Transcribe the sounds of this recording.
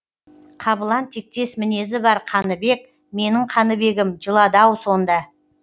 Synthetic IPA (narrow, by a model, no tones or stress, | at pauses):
qʰɑbəlˠɑnt̪ʰek̚t̪e̞smɪne̞zɪbɑɾqʰɑnəbe̞k̚ | me̞nɪɴqʰɑnəbe̞ɡʲɪmʒəlˠɑd̪ɑwso̞nd̪ɑ